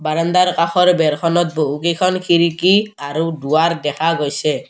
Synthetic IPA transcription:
baɾɔnd̪aɾkaxʰɔɾbɛɾkʰɔnɔt̪̚boɦukikʰɔnkʰiɾikiaɾuduaɾd̪ɛkʰaɡojsɛ

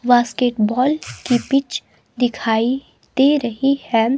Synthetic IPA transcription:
ʋaːskeːʈbɔːlkipɪt͡ʃ | d̪ɪkʰaːi | t̪eɾɐɦihɛ

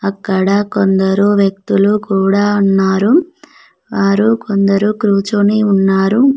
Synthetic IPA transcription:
ɐkːɐɽɐkond̪ɐɾuʋjɐk̚t̪ulukuːɽaːunːaːɾu | ʋaːɾukond̪ɐɾukɾuːt͡ʃoniunːaːɾu

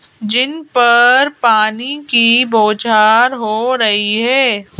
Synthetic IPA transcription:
d͡ʒɪnpɐɾpaːnikiboːd͡ʒaːɾɦoːɾɐɦiɦɛː

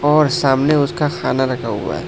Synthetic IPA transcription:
ɔːɾsaːmneʊskaxaːnaɾɐkʰaɦʊ̰a̰ɦɛ̰ː

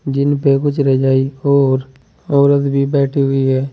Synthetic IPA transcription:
d͡ʒɪnpekʊt͡ʃʰɾɛd͡ʒaːiɔːɾ | ɔːɾət̪bʱibɛːʈʰiɦʊiɦɛː

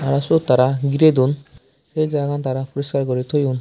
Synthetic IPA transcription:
aɾasot̪aɾaɡiɾed̪un | ʃejd͡ʒaɡant̪aɾapɔɾiskaɾkoɾit̪ʰojun

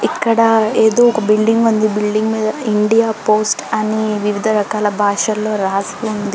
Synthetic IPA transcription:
ikːɐɽɐeːd̪o̞ːɔkɐbilɖiŋɡund̪ibilɖiŋɡmiːd̪ɐiɳɖijaːpo̞ːsʈɐniʋiʋid̪ʱɐɾɐkaːlɐbʱaːʂɐlo̞ːɾaːst̪und̪i

